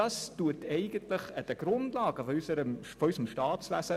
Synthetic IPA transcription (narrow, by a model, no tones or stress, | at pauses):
ɑstuətʰɛɪɡəntləχəd̥̪əɡ̥ɾʊndlɑːɡəfysəɾəmfɔysəmʃtɑːtsʋæsə